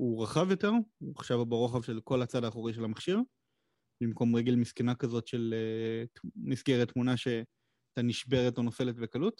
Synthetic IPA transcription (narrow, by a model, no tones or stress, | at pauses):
uʁaχavjo̞te̞ʁuaχʃavbeʁo̞χavʃe̞lko̞lat͡sadaːχoʁiʃelamaχʃiʁ | bimko̞mʁeɡelmiskenakazo̞tʃe̞le | misɡeʁet̪ːmunaʃe̞ | t̪aniʃbe̞ʁetonofe̞letvekalut